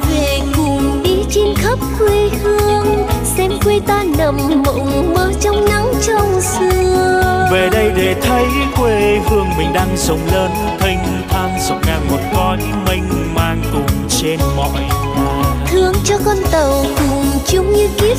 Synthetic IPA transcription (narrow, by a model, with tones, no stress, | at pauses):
ve˨˩kʊ˨˩ŋ͡mɗi˧˦t͡ɕi˧nkʰə˦˥p̚xwi˧hɨ˧əŋsɛ˧mkwe˧jt̪aː˧nə˨˩mmə̰˧˨wŋ͡mməː˨˦t͡ɕɔ˧wŋ͡mna˧˥ŋt͡ɕɔ˧˩ŋ͡msɨ˧əəve˨˩ɗə˧jɗe˨˩t̪ʰə˨˦jkwe˧vɨ˧əŋmï˨˩ŋ̟ɗaː˧ŋzə˨˩wŋ͡mləː˧n | t̪ʰə˧jŋ̟ | t̪ʰaː˧nzə˨˩k͡p̚ŋaː˧ŋmo˨˩t̚kɔ˨˦j | mi˧jŋ̟maː˧ŋt̪ʊ˨˩ŋ͡mt͡ɕe˧nmɔ̰˧˨j | t̪ʰɨ˧əŋt͡ɕɔ˧kɔ˧nt̪ə˨˩wkʊ˨˩ŋ͡mt͡ɕʊ˨˦ŋ͡mɲɨ˧ki˦˥ə